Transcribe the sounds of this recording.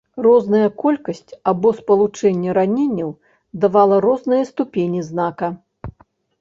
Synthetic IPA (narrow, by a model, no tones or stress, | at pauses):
rɔznɐjɐkɔlʲkɐsʲt͡sʲabɔspɐlˠut͡ʂɛnʲːɛɾanʲenʲːɐw | d̪avalˠɐɾɔznɨjɐst̪upʲenʲiznakɐ